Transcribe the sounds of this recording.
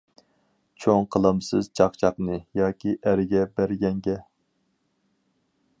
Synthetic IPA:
t͡ʃʰoŋqʰəlˠɨmsɨzt͡ʃʰɑqt͡ʃʰɑqnɨjɑːkʲiʔæɾɪɡʲɛbæɾɡʲɛŋɡʲɛ

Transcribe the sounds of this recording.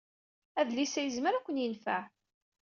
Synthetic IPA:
æðlisæjəzməɾækʷːənjənfæʕ

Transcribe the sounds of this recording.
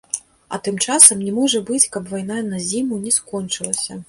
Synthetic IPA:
ɐ̰t̪ɨmt͡ʂasɐmnʲɛmɔʐɐbɨt͡sʲkɐpvajnanɐzʲimunʲɛskɔnt͡ʂɨlˠɐsʲɐ

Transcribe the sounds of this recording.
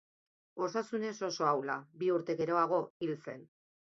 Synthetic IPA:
o̞sasune̞so̞so̞awlabiuɾt̪e̞ɣe̞ɾo̞aɣo̞ilt͡se̞̰n

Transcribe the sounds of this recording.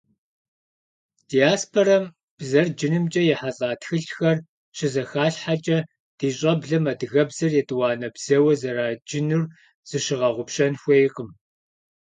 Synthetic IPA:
d̥ijaːspʰorɐm | b̥zɐrd͡ʒɪnɨmt͡ʃʼɐjɛħaɬʼaːtxɨɬxɐr | ɕɪzɐxaːɬħat͡ʃʼɐ | d̥iːɕʼɐbɮɐmɐdɨɣɐbzɐrjɛtʼɨwɑːnɐbz̥ɐwɐzɐɾaːd͡ʒɪnur | z̥ɨʃɪʁɐʁʷʊpʃɐnxʷejqʼəm

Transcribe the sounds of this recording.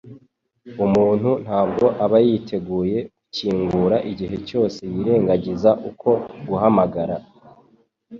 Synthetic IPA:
umuːn̥hun̥aːb̚ɡo̞ʔaβajitʰe̞ɡuːje̞kuciːŋɡuɾaʔiɟiɦe̞co̞ːse̞jiɾe̞ːŋɡaɟizaʔukʰo̞ɡuɦamaɡaɾa

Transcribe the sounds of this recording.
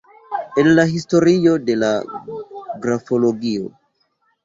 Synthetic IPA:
enlaɦisto̞ɾio̞de̞la̰ | ɡɾafo̞lo̞ɡio̰

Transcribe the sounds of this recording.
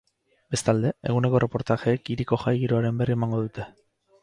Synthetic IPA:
be̞st̪ald̪e̞e̞̰ɣ̞une̞ko̞re̞po̞ɾt̪axe̞ːkiɾiko̞xajɣiɾoaɾe̞mbe̞rie̞maŋɡo̞ðut̪e̞

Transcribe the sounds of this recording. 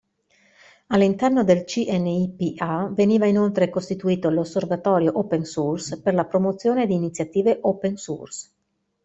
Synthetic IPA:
alːint̪ɛrnod̪elt͡ʃiʔɛnːeipiʔaveniːvainolt̪ɾekost̪it̪uiːt̪olosːervat̪ɔːɾjoʔopensursperlapɾomot̪sːjoːned̪iːnit̪sjat̪iːveʔopensṵrs

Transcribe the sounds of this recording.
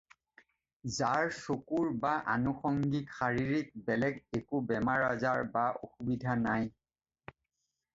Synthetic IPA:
zaɹsokuɹbaʔa̰nuxɔŋɡikxaɹiɹik̚bɛlɛɡekubɛmaɹazaɹbaʔo̰xubidʱanaj

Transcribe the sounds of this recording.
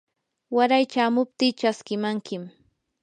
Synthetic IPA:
waɾajt͡ʃaːmʊp̚t̪iːt͡ʃaskɪmaŋkɪm

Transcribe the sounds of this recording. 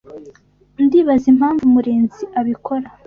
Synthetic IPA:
ndiːβazim̥haːɱvumuɾeːnziʔaβikʰo̞ɾa

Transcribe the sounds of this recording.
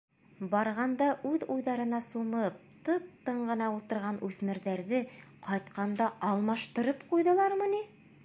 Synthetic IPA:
bɑɾʁɑnd̪ɑʔʉðujðɑɾɤ̆nɑsumɤp̚t̪ɤp̚t̪ɤɴɢɤ̆nɑulˠt̪ɤ̆ɾʁɑnʔʉθmɘ̆ɾðæɾðɘqɑjt̪qɑnd̪ɑʔɑlˠmɑʃt̪ɤ̆ɾɤpqujðɤ̆lˠɑɾmɤ̆ni

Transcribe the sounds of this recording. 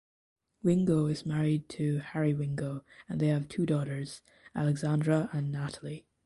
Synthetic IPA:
wɪ̃ŋɡoʊɪzmæɹid̚tʰɨhɛɹiwɪ̃ŋɡoʊɨ̃nðeɪɨv̥tʰʉdɔɾə˞z̥ | ʔælˠɨɡzæ̃ndɹəʔə̃nːæɾl̩ˠi

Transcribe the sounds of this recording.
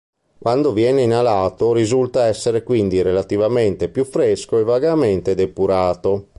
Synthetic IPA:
kwʔand̪ovjɛːneinalaːt̪oɾizult̪aɛsːeɾekwind̪iɾelat̪ivament̪epjufːɾeskoevaɡament̪ed̪epuɾaːt̪o

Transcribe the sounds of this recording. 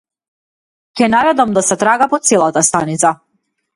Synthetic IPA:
cʲɛnaɾɛd̪amd̪asɛt̪ɾaɡapɔt̪sɛlˠat̪ast̪anit̪sa

